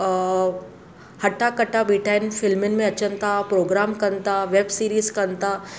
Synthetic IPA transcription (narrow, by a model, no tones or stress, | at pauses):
hɐʈakəʈabiːʈʰaɪnfɪlmɪnmẽɐt͡ʃənt̪apɾoːɡɾaːmkɐnt̪aʋebsiːɾiːzkɐnt̪a